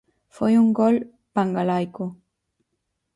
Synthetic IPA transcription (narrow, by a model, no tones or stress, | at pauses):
fojuŋɡol | paŋɡalajko